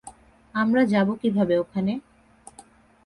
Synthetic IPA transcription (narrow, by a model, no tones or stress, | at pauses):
amɾad͡ʑabokibʱabeokʰane